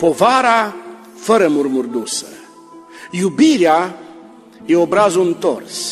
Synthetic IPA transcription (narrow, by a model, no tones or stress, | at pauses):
po̞vaɾa | fəɾəmurmurd̪usə | jubiɾea | jeobɾazoɨnt̪o̞̰rs